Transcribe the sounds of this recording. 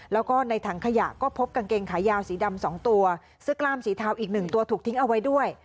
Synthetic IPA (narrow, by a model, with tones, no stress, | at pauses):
lɛː˦˥wkɔː˥˩na˧jt̪ʰaː˧˩ŋkʰa˧ja̰˨˩kɔː˥˩pʰo˦˥p̚ka˧nkeː˧ŋkʰaː˩˦jaː˧wsiː˩˦da˧msɔ̰ː˩˦ŋt̪u˧ɐ | sɯ˥˩klaː˥˩msiː˩˦t̪ʰaː˧wʔiː˨˩k̚nɯ˨˩ŋt̪u˧ɐt̪ʰu˨˩t̪ʰi˦˥ŋʔa˧wa˦˥jdu˥˩əj